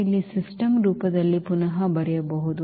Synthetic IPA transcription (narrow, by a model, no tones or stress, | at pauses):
ɐlːisisʈɐmɾuːpɐd̪ɐlːipunɐɦɐbɐɾɛjɐbɐɦud̪u